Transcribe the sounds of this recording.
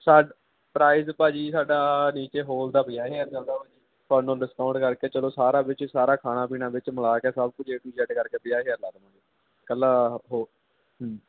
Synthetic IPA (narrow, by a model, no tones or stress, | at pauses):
saːɖ | pɾaːizpaːd͡ʒiːsaːɖaːniːt͡ʃeːɦoːld̪aːpɪjaːɦeːəɾt͡ʃəld̪aːɦoːd͡ʒiː | pʰəɾnõːɖɪskaːʊɳʈkəɾkeːt͡ʃəloːsaːɾaːbɪt͡ʃsaːɾaːkʰaːnaːp̬iːnãːbɪt͡ʃməlaːkɛːsəb̚kʊt͡ʃʰeːʈuːd͡ʒɛɖkəɾkeːpɪjaːɦeːəɾlaɡnãːiː | kəlːaːɦoː | ɦ